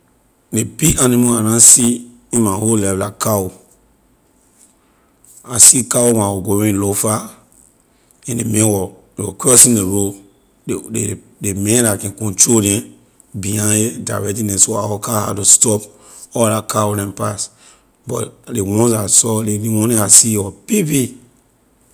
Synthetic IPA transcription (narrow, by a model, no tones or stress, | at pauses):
lepianĩmoanãsi | ĩnmaholɛvlakao | asikawowãwɔɡoɹĩlofa | ɛ̃ndemɛ̃wɔ | ewɔkɔsĩndeɹo | e | demɛ̃lakɛ̃kɔ̃ntɹodɛ̃ | biãjedaɹɛtĩnɛ̃soawɔkaha̰tustɔp | ɔlakʰawolɛ̃mpas | bɔ̰lewɔ̃nsasɔleliwɔ̃nɛ̃asiɔpipi